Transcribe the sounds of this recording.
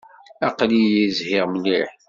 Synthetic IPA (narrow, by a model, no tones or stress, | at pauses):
ɑqlijizhɪʁmliħ